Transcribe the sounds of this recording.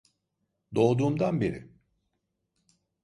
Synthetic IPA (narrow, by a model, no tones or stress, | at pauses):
d̪o̞ːd̪uːmd̪anbeɾɪ̰